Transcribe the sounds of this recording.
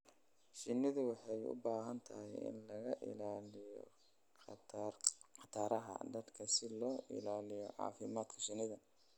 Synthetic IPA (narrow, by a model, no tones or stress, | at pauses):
ʃɪnɪðʊwɑħɑjʊ̰baːɦɐnt̪ʰɐhɛjʔɪ̰nlɐɣɐʔɪ̰laːlɪjɔ̰ | qɑt̪ʰaːɾɐɦɐ̰d̪ɐd̪kʰɐsɪlɔːʔɪ̰laːlɪjɔʕɑ̰ːfɪmaːd̪kʰɐʃɪnɪðɐ